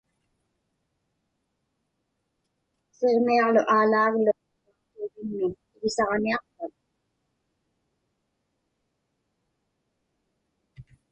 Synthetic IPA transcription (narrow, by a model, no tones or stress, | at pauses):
seʁmiɑʁlʊʔaːlaːɣlʊ | otuːɣɪnmɪn | ɪɣɪsɑʁniɑq̚pat̪̚